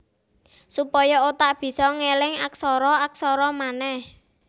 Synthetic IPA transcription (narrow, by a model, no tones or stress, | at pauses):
supɔjɔot̪aʔb̥i̤sɔŋelɪŋaksɔɾɔaksɔɾɔmanɛh